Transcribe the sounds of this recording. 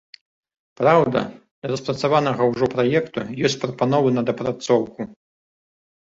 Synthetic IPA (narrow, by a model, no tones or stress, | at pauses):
pɾawd̪ɐ̰ | d̪ɐɾɐspɾɐt̪savanɐɣɐwʐɔpɾajɛkt̪ujɔsʲt͡sʲpɾɐpanɔvɨnɐd̪ɐpɾat̪sɔwku